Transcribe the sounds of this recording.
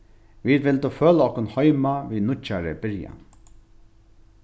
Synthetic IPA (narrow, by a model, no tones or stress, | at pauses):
ʋiːd̪ʋɪlt̪uføːlɔhkʊnhɔʏmaʋiːnʊt͡ʃːaɾə̰bɪɾja̰n